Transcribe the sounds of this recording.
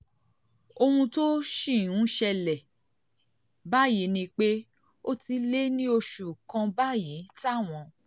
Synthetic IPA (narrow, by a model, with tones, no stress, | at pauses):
o˧hũ˧to˦ʃĩ˦˨ũ˨˦ʃɛ˧lɛ˨ | ba˦˨ji˨˦nĩ˧k͡pe˦ | o˦ti˧le˦nĩ˦o˧ʃu˨kã˧ba˦˨ji˨˦ta˦˨w̃ɔ̃˧